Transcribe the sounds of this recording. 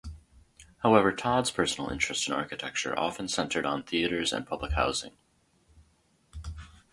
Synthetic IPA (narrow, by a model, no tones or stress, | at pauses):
haʊɛvə˞tʰɑdz̥pʰɜ˞sn̩l̩ˠɪ̰̃nt͡ʃɹ̥ɨstsɨ̃nɑ̰ɹkɨtʰɛk̚t͡ʃə̰˞ʔɑ̰fɨ̃n̩sɛ̃ntʰə˞ɾn̩θiɨɾə˞zɨ̰̃npʰʌbləkha̰ʊzɪ̰̃ŋ